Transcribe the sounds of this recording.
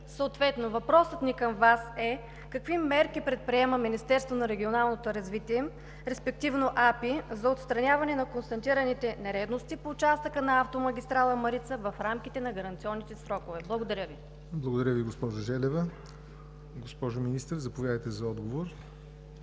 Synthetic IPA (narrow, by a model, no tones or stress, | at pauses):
səot̪vɛt̪novɐpɾɔsət̪nikɐmvasɛ | kɐkvimɛɾkipɾɛt̪̚pɾiɛməminist̪ɛɾst̪vonɐɾɛɡʲionalˠnot̪oɾɐzvit̪iɛ | ɾɛspɛk̚t̪ivnoʔapizɐot̪st̪ɾɐnʲavɐnɛnɐkonst̪ɐnt̪iɾɐnit̪ɛnɛɾɛd̪nost̪ipoːt͡ʃast̪əkənɐaft̪omɐɡ̟ʲist̪ɾalˠəmɐɾit̪səvɐfɾamkʲit̪ɛnɐɡɐɾɐnt̪siɔnːit̪ɛsɾɔkovɛblˠɐɡod̪ɐɾʲəvi | blˠɐɡod̪ɐɾʲəviɡospɔʒʊʒɛlɛvə | ɡospɔʒominist̪əɾzɐpovʲjad̪əjt̪ɛzɐɔd̪ɡovoɾ